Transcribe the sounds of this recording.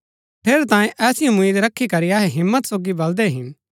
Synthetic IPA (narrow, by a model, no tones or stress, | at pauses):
pʰeːɾt̪ãːẽʔɛːsɪjõmʊiːd̪ɾɐkʰːikɐɾiaːɦeɦɪmːət̪soːɡibɐld̪eɦɪn